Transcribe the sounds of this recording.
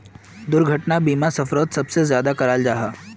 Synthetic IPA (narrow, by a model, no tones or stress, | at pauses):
d̪ʊɾɡʱɐʈnabiːmasɐfɾoːt̪sɐbsezjaːd̪akɐɾaːld͡ʒaːɦaː